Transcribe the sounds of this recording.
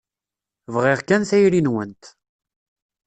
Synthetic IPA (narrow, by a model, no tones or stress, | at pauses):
vʁɪʁkænθæjɾinwənt̪